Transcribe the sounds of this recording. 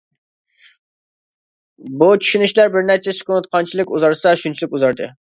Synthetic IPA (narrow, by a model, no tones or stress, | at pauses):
but͡ʃʰy̥ʃynyʃlæɾbɪɾnɛɾt͡ʃʰɛsɪ̥kʲʊnɨt̪̚qʰɑnt͡ʃʰilˠɪkʲuzɑɾsɨd̪ɑʃunt͡ʃʰilˠɪkʲuzɑɾd̪ɨ